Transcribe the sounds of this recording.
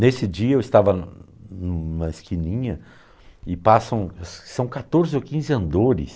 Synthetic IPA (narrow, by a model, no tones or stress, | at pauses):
nesɪd͡ʒiɐewɪst̪avɐ | nũmɐɪskinĩɲɐ | ɪpasɐ̃w̃ssɐ̃w̃kat̪oɾzɪokĩzɪɐ̃nd̪oɾɪ̰s